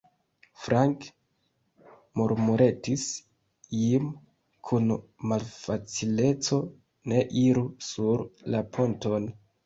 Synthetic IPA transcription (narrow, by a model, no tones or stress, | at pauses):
fɾaŋk | moɾmuɾe̞tis | im | kʰunmalfat͡sile̞t͡so̞ | ne̞ʔiɾusuɾlapʰo̞nto̞n